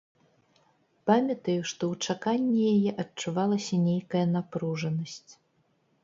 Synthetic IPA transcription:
pamʲɐt̪ɐjuʂt̪ɔwt͡ʂakanʲːɛjajɛʔɐtt͡ʂuvalˠɐsʲɐnʲejkɐjɐnapɾuʐɐnɐsʲt͡sʲ

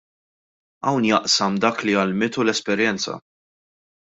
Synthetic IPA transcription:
ɐwnjɐʔsɐmd̪ɐːkliɐlmɪt̪ulɛspɛɾjɛnt͡sɐ̰

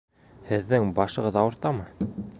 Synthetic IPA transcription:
hɘ̆ðːɘŋbɑʃɤ̆ʁɤðɑwɤ̆ɾt̪ɑmɤ

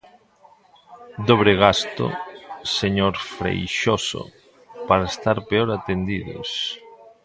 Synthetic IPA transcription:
d̪oβ̞ɾeɣast̪o̰seɲoɾfɾḛjʃoso̰ | paɾaest̪aɾpeoɾat̪end̪iðo̰s

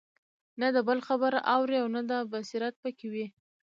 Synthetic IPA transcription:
nad̪əbəlxabəɾawɾiawnad̪ɑbasiɾat̪̚pəkewi

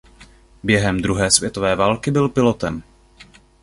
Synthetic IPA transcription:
bjɛɦɛmd̪ɾuɦɛːsvjɛt̪o̞vɛːvaːlkɪbɪlpɪlo̞t̪ɛm

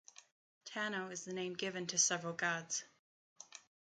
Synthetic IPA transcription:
tʰænoʊɨzðɨnẽɪ̃mɡɪvɨ̃ntʰɨsɛvɹəlˠɡɑdz̥

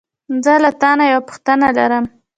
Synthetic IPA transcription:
zəlat̪ɑnajawapʊ̥xt̪ənalaɾəm

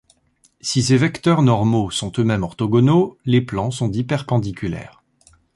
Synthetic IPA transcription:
sisevɛkt̪œʁnɔʁmosɔ̃t̪ømɛmɔʁt̪ɔɡɔnoleplɑ̃sɔ̃t̪ipɛʁpɑ̃d̪ikʲylɛ̰ːʁ

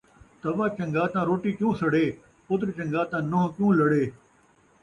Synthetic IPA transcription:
t̪ɐʋãːt͡ʃə̃ŋɡaːt̪ãːɾoːʈiːkjũːsəɽeː | pʊt̪ɾt͡ʃə̃ŋɡaːt̪ãːnoɦkjũːləɽeː

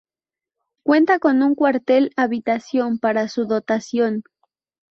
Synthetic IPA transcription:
kwe̞nt̪ako̞nũŋkwaɾt̪e̞laβit̪asjo̞mpaɾasuðo̞t̪asjo̞n

